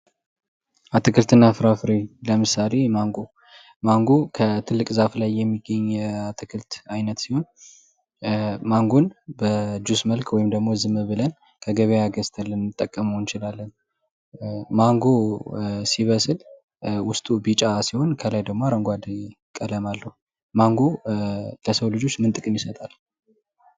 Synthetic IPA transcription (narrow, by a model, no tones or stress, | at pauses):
ʔat̪ʰɨkɨlt̪ʰɨnːafɨɾafɨɾeləmɨsale̞maŋɡo̞ | maŋɡokʰət̪ʰɨlːɨkʼzaflajːɛmːiɡːəɲːat̪ʰɨkʰɨlt̪ajnət̪siho̞n | maŋɡonbəd͡ʒusməlkwɔjɪmd̪əɡmo̞zɨmɨβɨlən | kʰəɡəβejaɡəst̪ʰəlːɨnːɨt̪ʼːəkʼːəməwnt͡ʃɪlalːən | maŋɡosiβəsɨl | wʊst̪ʼubit͡ʃʼasiho̞nkʰəlajd̪əɡmoɾəŋɡʷad̪ | kʼələmalːəhu | maŋɡo | ləsəwlɨd͡ʒo̞t͡ʃːmɨnt̪ʼɨkʼɨmjisət̪ʼal